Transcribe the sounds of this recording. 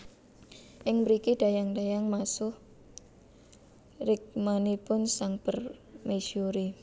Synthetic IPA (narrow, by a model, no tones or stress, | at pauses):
ʔɪŋbɾikid̥a̤jaŋdajaŋmasʊh | rɪk̚manipʊnsaŋb̥ərmeʃuɾi